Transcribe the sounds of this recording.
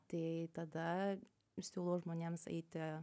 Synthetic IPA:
t̪ɐɪt̪ɐd̪ɐ | sʲuːlˠoːʒmoːnʲeːmsɛ̰ɪt̪ʲɪ

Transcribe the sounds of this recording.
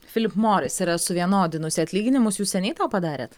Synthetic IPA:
fʲɪlʲɪpmoːɾʲɪsiɾɐsʊʋʲiɛnoːd̪ʲɪnʊsʲɪɐt̪ʲlʲiːɡʲɪnʲɪmʊsjuːssʲɛnʲɛɪt̪oːpɐd̪ɑːɾʲeːt̪

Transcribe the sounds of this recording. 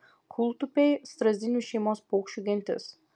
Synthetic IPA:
kʰulˠt̪ʊpʲejst̪ɾɐzʲd̪ʲinʲuʃɛjmɔspokʃuɡʲɛnʲt̪ʲɪ̰s

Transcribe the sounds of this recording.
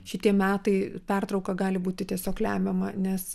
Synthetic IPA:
ʃʲɪt̪ʲiɛmʲæːt̪ɐɪpʲɛrt̪ɾɒʊkɐɡɑːlʲɪbuːt̪ʲɪt̪ʲiɛsʲoːklʲæːmʲɛmɐnʲɛs

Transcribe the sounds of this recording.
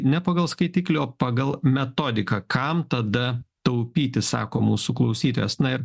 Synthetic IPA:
nʲɛpɐːɡɐlˠskɐɪt̪ʲiːklʲooːpɑɡɐlˠmʲɛt̪oːd̪ʲɪkɐkʰɐmt̪ɐd̪ɐt̪ɐʊpʲiːt̪ʲɪssɑ̰ːkoːmuːsuklˠɐʊsʲiːt̪oːjɛsnɐɪɾ

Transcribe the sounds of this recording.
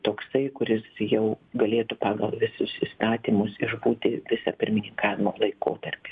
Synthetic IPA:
t̪oːksɐɪkʊɾʲɪsjɛʊɡɐlʲeːt̪ʊpɑːɡɐlˠʋʲɪsʊsiːst̪ɑːt̪ʲiːmʊsɪʒbuːt̪ʲɪʋʲɪsɑpʲɪɾʲmʲɪnʲɪŋkɑːʋʲɪmoːlˠɐɪko̰ːt̪ɐrʲpʲeː

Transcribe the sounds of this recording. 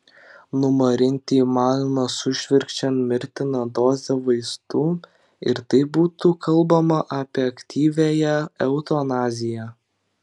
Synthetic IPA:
nʊmɐɾʲɪnʲt̪ʲiːmɑːlʲnɐsʊʃʲʋʲɪɾʲkt͡ʃʲɛnmʲɪɾʲt̪ʲɪnɐd̪oːzʲɛʋɐɪst̪uː | ɪ̰ɾt̪ɐɪbuːt̪ukʰɐlˠˑbɐmɐʔɐpʲɛɐkʲt̪ʲʰiːʋʲeːjɛɛʊt̪oːnɑːzʲɪjæ

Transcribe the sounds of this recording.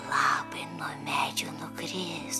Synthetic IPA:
lˠɑːpɐɪnuɔmʲæːd͡ʒʲuːnʊkɾʲɪs

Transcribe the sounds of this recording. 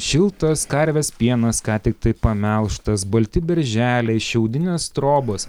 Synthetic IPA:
ʃʲɪlˠt̪ɐskɐɾʲʋʲeːspʲiɛnɐskɑːt̪ʲɪk̚t̪ɐɪpɐmʲɛlˠʃt̪ɐsbɐlʲt̪ʲɪbʲɛɾʲʒʲæːlʲɛɪʃʲɛʊd̪ʲɪnʲeːst̪ɾoːbɐs

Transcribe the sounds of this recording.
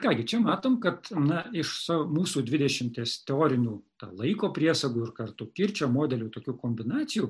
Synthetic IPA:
kɑːɡʲɪt͡ʃʲɛmɑːt̪oːmkɐt̪nɐɪʃsɑomuːsuːd̪ʲʋʲɪd̪ʲɛʃʲɪmʲt̪ʲeːst̪ʲɛoːɾʲɪnʲuːt̪ɑ̰ːlˠɐɪkoːpʲɾʲiɛsɐɡuːɪɾkɐrt̪ʊkʲɪɾʲt͡ʃʲoːmoːd̪ʲɛlʲuːt̪oːkʲuːkoːmʲbʲɪnɑːt̪sʲɪjuː

